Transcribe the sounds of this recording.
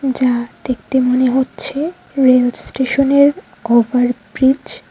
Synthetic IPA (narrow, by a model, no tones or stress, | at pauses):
d͡ʑad̪̥ek̚t̪emoneɦotːɕʰe | ɾelsʈeʃoneɾ | obaɾbɾid͡ʑ